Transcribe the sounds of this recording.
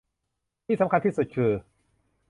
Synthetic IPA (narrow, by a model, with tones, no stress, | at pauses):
t̪ʰi˥˩sa˩˦mkʰa˧nt̪ʰiː˥˩su˨˩t̪̚kʰɯː˧